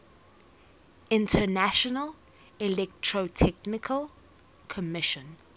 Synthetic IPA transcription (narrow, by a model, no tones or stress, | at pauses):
ɪ̃ntʰənaʃɔnəl | ɛlɛk̚tʰɹotʰɛknɪkʰəl | kʰɔmɪʃə̃n